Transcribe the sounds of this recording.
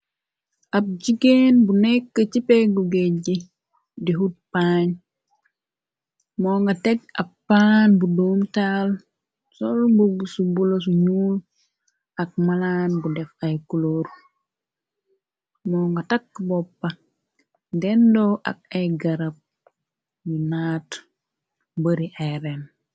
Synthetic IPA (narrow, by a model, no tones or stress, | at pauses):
ʔɐb̚ɟiɡenbunɛkːət͡ʃipeɡuɡeɟi | diɦut̚paɲ | mɔːŋɡatɛɡ̚ɐpːanbuduːmtal | sɔlbuɡusubulos̬uɲul | ɐk̚malanbudɛfajkuloːɾ | mɔːŋɡatakːbɔpːa | dɛndoʔa̰k̚ajɡaɾap̚ | junaːt | bəɾiʔajɾen